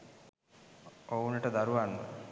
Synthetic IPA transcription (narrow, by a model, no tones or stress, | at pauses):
ounəʈəd̪aɾuʋanːə̰